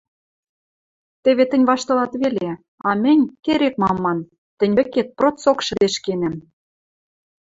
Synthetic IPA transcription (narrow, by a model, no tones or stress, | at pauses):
t̪ɘ̆βet̪ɘ̆nʲβɑʃt̪ɤ̆lɑt̪βelʲe | ɑmɘ̆nʲkeɾek̚mɑmːɑn | t̪ɘ̆nʲβɘ̆ket̪̚prot͡sokʃə̆d̪eʃkenem